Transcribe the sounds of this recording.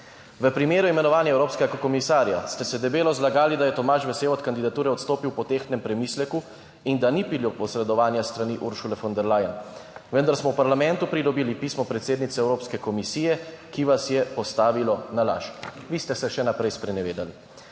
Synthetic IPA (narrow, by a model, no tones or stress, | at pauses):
ʋəpɾimeːɾuimɛnɔʋaːnjaɛwɾoːpskɛɡakkɔmisaːɾja̰st̪ɛsɛd̪ɛbeːlɔzlaɡaːlid̪ajɛt̪ɔmaːʃbɛseːwɔt̪kand̪id̪at̪uːɾɛɔt̪st̪oːpiwpɔt̪eːxnɛmpɾɛmiːslɛku | ind̪anipiljɔpɔsɾɛd̪ɔʋaːnjast̪ɾaniʔuɾʃulɛfɔnd̪ɛɾlaːjənʋənd̪aɾsmɔwpaɾlamɛnt̪upɾid̪ɔbiːlipiːsmɔpɾɛt̪seːd̪nit̪sɛwɾoːpskɛkɔmisiːjɛkiʋasjɛpɔst̪aːʋilɔnala̰ʃʋiːst̪ɛsɛʃɛnapɾɛjspɾɛnɛʋeːd̪ali